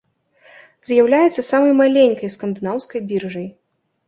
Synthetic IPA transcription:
zʲjawlʲajɛt̪sːɐsamɐjmalʲenʲkɐjskɐnd̪ɨnawskɐjbʲirʐɨj

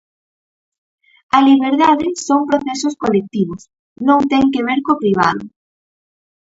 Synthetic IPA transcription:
ɐliβeɾðaðɪsoŋpɾoθesʊskolek̚t̪iβ̞ʊs | nõŋt̪ɛŋkeβ̞eɾkopɾiβ̞a̰ðʊ̰

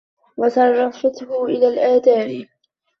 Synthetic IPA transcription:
wɑt̪ɑrˤːɑfat̪hʊʔɪlaːlʔaːd̪aːɾ

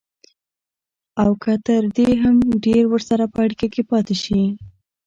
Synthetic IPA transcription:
awkət̪əɾd̪eɦamɖeɾwəɾsaɾapəaɽikakepɑt̪eʃi

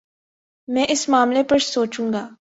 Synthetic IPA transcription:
mɛ̃ːʔɪsmaːmlepɐɾsoːt͡ʃũːŋɡaː

